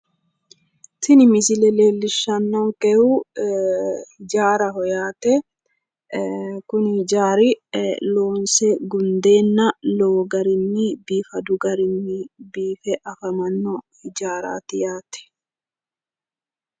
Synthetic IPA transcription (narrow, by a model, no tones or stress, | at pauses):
t̪ɪnɪmɪsɪlɛle̞ːlːɪʃːɐnːɐŋkʼɛhu | hɪd͡ʒaːɾɐɦɔjaːt̪ɛ | kʊnhɪd͡ʒaːɾɪloːnsɛɡʊnd̪e̞ːnːɐloːɡɐɾɪnːɪbiːfɐd̪ʊɡɐɾɪnːɪbiːfɛʔɐfɐmɐnːɔhɪd͡ʒaːɾa̰ːt̪ɪjaːt̪ɛ̥